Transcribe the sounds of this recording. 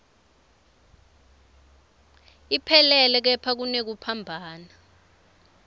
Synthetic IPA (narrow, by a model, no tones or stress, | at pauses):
ipʰɛlɛlɛk̬ɛpʰak̬unek̬upʰambʱaːna